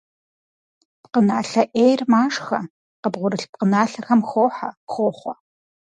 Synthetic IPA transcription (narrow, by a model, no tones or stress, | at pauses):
pqənaːɬɐʔeːjrmaːʂxɐ | qəbʁʷʊɾɨɬp̚qənaːɬɐxɐmxoːħaxʷoːχʷɔ